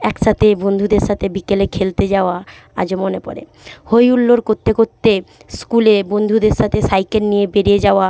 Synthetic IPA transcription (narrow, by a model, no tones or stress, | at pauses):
ɛkʃat̪ʰebond̪ʱud̪eɾʃat̪ʰebikelekʰelt̪ed͡ʑaoa | a̰d͡ʑomonepɔ̰ɾḛ | hojulːoɾkoɾt̪ːekoɾt̪ːeskulebond̪ʱud̪eɾʃat̪ʰesajkennijebeɾijed͡ʑaoa